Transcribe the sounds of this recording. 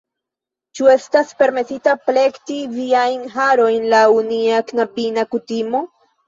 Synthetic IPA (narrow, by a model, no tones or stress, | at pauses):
t͡ʃue̞staspe̞ɾme̞sitaple̞ktiviajnɦaɾojnlauniaknapinakutimo̞